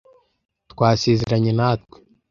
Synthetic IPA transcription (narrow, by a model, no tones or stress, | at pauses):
tkwaːsiːzeɾaɲenat̪we̥